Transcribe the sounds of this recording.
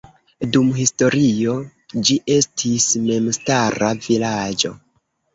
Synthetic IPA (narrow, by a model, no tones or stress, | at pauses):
dumɦisto̞ɾio̞ | d͡ʒiʔe̞stʰisme̞mstaɾavilad͡ʒo̞̰